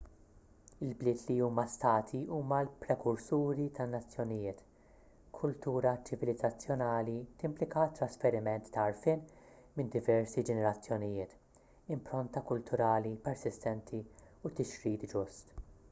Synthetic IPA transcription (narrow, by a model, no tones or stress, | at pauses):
ɪlblɪːt̪liuːmɐst̪ɐːt̪ʰiuːmɐlpɾɛkʊɾsuːɾit̪ʰɐnːɐt͡sːjɔnɪjɪːt̪ | kʰʊlt̪uːɾɐt͡ʃɪvɪlɪd͡zːɐt͡sːjɔnɐːlit̪ɪmplɪkɐt̪ːɾɐsfɛɾɪmɛnt̪ːɐːɾfɪːn | mɪnd̪ɪvɛɾsid͡ʒɛnɛɾɐt͡sːjɔnɪjɪːt̪ | ɪmpɾɔnt̪ɐkʊlt̪ʰʊɾɐːlipɛɾsɪst̪ɛnt̪ʰiut̪ɪʃɾiːt̪d͡ʒʊst̪